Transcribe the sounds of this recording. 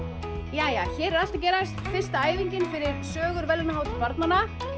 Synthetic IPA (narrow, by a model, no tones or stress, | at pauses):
jaːjaːçɛːɾɛɾal̥t̪acɛːɾast̪fɪr̥st̪aaːjviɲcɪnfɪɾɪɾsœːɣʏɾvɛlnaɦawt̪ɪlpaɾt̪nanːa